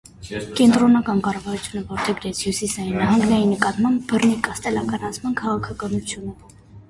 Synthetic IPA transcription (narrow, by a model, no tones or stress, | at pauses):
kɛnt̪ɾɔnɑkɑnkɑrɑvɑɾut͡sʰjunəvɔɾt̪ʰɛɡɾɛt͡sʰhjusisɑinnɑɦɑŋɡnɛjinəkɑt̪mɑmbːərnikɑst̪ɛlɑkɑɾɑt͡sʰmɑnkʰɑʁɑkʰɑkɑnut͡sʰjunə